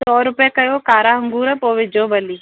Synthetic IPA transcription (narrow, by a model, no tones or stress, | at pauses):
sɔːɾʊpjaːkəjoːkaːɾaːɦəŋɡuːɾɛpoːʋɪd͡ʒoːbəliː